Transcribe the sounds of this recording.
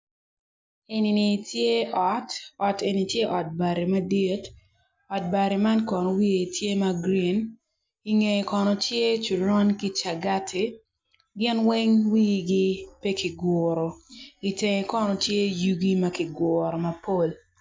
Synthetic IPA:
e˨ni˨ni˨tje˦ɔ˨˦tɔ˨te˨ni˨tje˦ʔɔ˨t̚ba˨ɾi˨ma˦di˦t | ɔ˨t̚ba˨ɾi˨ma˦nkɔ˨nɔ˨wi˦e˨tʰje˦ma˦ɡɾi˦˨n | i˨ŋe˨kɔ˨nɔ˨tje˦t͡ʃu˨ɾɔ˦nki˦t͡ʃa˨ɡa˦tʰi˨ | ɡɪ˦nwe˦ŋwi˦ɡi˦pe˦ki˨ɡʊ˨ɾo˨i˨te˨ŋe˨kɔ˦nɔ˨tje˦ju˦ɡi˦mɐ˦ki˨ɡʊ˨ɾo˨mɐ˨po˦l

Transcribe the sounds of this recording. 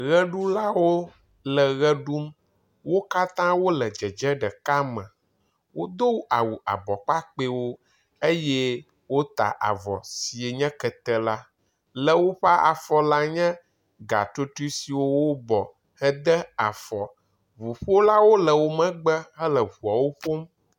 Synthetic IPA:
ɣɛ˦ɖu˦la˦wo˦ | lə˨ɣɛ˦ɖu˦m | wo˦ka˦t̪ã˦wo˦lɛ˨d͡ʒɛ˨d͡ʒɛ˦ɖɛ˨ka˦mə̃˨ | wo˦d̪o˦wu˦a˨wu˨a̰˨bɔ˨k͡pa˦k͡pe˦wo˦ | e˦jɛ˦ | wo˦t̪a̰˨ʔa̰˨vɔ̰˨si˨e˨ɲɛ̃˦kɛ˨t̪ɛ˦la˦ | lə˨wo˦ɸa˦ʔa̰˨fɔ˦la˦ɲɛ̃˦ | ɡa̰˨t̪o˦t̪u˦si˨wo˦wo˦bɔ˨ | hɛ˦d̪ɛ˦a˨fɔ˨ | βu˨ɸo˦la˦wo˦lə˨wo˦mɛ̃˦ɡ͡bɛ˦ɦə˦lə˨βu˨a˨wo˦ɸo˦m

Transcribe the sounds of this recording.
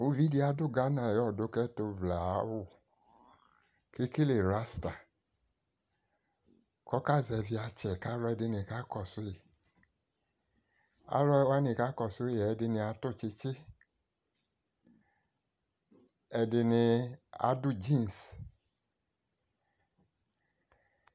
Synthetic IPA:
u˨˧vi˨˦di˧˦a˧˦dʊ˦˨ɡa˨˦na˨jɔ˦˨do˨˧˦kɛ˦to˧vla˨˦wu˦˨ | ke˦ke˦le˨ɾa˦sta˨ | kɔ˨˦ka˦˨zɛ˧vi˧a˧t͡ʃɛ˨ka˦ɾɔ˧ɛ˧dɪ˧ni˨ka˨˦kɔ˦˨sʊ˦i˨ | a̰˨˦ɾɔ˧˦wa˦ni˨ka˦kɔ˨sʊ˨˦˨ɛ˨ɛ˧dɪ˧ni˧a˧tʊ˦˨t͡ʃe˧t͡ʃe˦ | ɛ˧dɪ˧nɪ˧a̰˨˦du˦˨d͡ʒi˦n˨s

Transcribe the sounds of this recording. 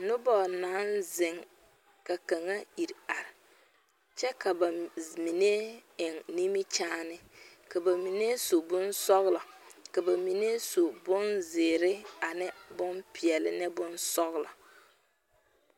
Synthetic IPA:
nʊ˦bɔ˨naː˨˦nzɪ˨ŋ | ka˨ka˨ŋa˦i˨ɾa˨ɾɪ˨ | t͡ʃɛ˦ka˨ba˨mi˨ne˦ɪ˨ŋni˦mi˦t͡ʃaː˦nɪ˦ | ka˨ba˨mi˨ne˦so˨bʊ˦nsɔ˦ɣla˨ka˨ba˨mi˨ne˦so˨bʊ˦nzɪː˨ɾɪ˦a˨nɪ˦bʊ˦mpɪ˨ɛ˨lɪ̰˨nɛ˦bʊ˦nsɔ˦ɣla̰˨

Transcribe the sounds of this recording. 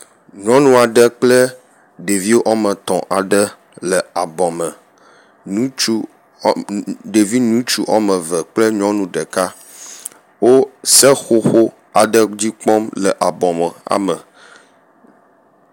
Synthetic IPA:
ɲɔ̃˦nũ˦a˨ɖə˦k͡plə˦ | ɖe˨vi˦wo˦ʔɔ˦mə̃˨t̪ɔ̃˨ʔa˨ɖə˦ | lə˨a˨bɔ̃˨mə̃˨ | nũ˦t͡ʃu˦ | ɖe˨vi˦nũ˦t͡ʃu˦ʔɔ˦mə̃˨və˨k͡plə˦ɲɔ̃˦nũ˦ɖə˨ka˦ | wo˦sɛ˦xo˦xo˦ | a˨ɖə˦d͡ʑi˦k͡pɔ˦mlə˨ʔa˨bɔ̃˨mə˨a̰˨mə̃˨

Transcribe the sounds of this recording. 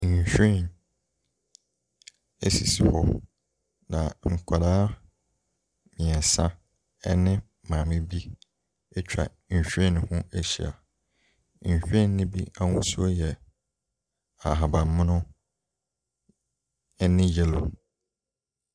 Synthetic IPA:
ɲ˨ɕᶣi˦˨n | ḛ˦sḭ˨si˨hɔ̰˨ | nã˨ŋ̩˨kʷʰa˨daː˦ | mɪ̃˨ɛ˨sã˦ | ɛ˦nɪ̃˦ | mãː˨mɪ̃˦bi˦ | ɛ˦t͡ɕᶣa̰˨ | ɲ̩˨ɕᶣɛ̃˦˨n˨hʊ̃˦e˦ɕḭ˨a̰˨ | ɕᶣĩ˦˨nːɪ̃˦bi˦a˦wʊ̃˦su˦o˦jɛ˨ | a˨ɦa˨bã˨m˦mʊ̃˦nʊ̃˦ | ɛ˦nɪ̃˦jɛ˦lo˨

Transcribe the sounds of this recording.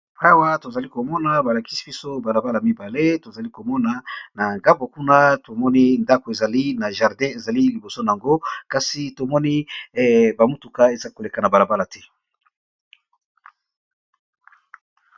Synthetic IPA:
a˦wa˦to˨za˨li˦ko˨mɔ˦na˨ba˨la˨ki˦si̥˨bi˦so˦ba˨la˨ba˦la˨mi˦ba˨le˦to˨za˨li˦ko˨mɔ˦na˨na˨ŋɡa˦mbo˨ku˦na˦to˨mɔ˦ni˦nda˦ko˨e˨za˨li˦na˨ʒa˨ʁdɛ̃˦e˨za˨li˦li˨bo˨so˦na˨a˨ŋɡo˦ka˨si˨to˨mɔ˦ni˦˨ | ba˨mu˦tu˨ka˦e˨za˨˦ko˨le˨ka˨na˨ba˨la˨ba˦la˨tʰɛ˦

